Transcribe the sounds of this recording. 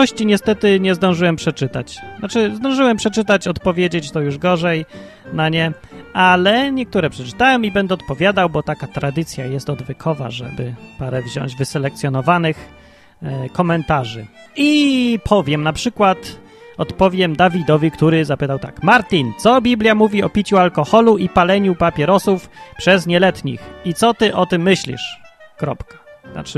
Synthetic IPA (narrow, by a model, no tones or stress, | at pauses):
ɔɕt͡ɕiɲɛst̪ɛt̪ɘɲɛzd̪ɔ̃w̃ʐɘwɛmpʂɛt͡ʂɘt̪a̰t͡ɕnat͡ʂɘzd̪ɔ̃w̃ʐɘwɛmpʂɛt͡ʂɘt̪at͡ɕɔt̪pɔvʲjed͡ʑet͡ɕt̪ɔjuʐɡɔʐɛj | naɲɛ | ʔalɛɲɛkt̪uɾɛpʂɛt͡ʂɘ̥t̪awɔ̃mibɛnd̪ɛɔt̪̚pɔvʲjad̪awbɔt̪akat̪ɾad̪ɘt̪sʲjajɛst̪ɔd̪vʲɛkʰɔva̰ʐɛ̰bɘpaɾɛvʑɔ̰̃ɲ̃d͡ʑvɘsɛlɛk̚t̪sʲjɔnɔvanɘx | kɔmɛnt̪aʐɘ | ipʰɔvʲjɛmnapʂɘkwat̪ | ɔt̪pɔvʲjɛmd̪avʲid̪ɔvʲikt̪uɾɘzapɘt̪awt̪a̰kmaɾt̪ʲint̪sɔbʲiblʲjamuvʲiɔpʲit͡ɕualkɔxɔluipalɛɲupapʲjɛɾɔsufpʂɛzɲɛlɛt̪ɲḭxit̪sɔt̪ɘʔɔt̪ɘmːɘɕlʲḭʂkɾɔpkḁna̰t͡ʂɘ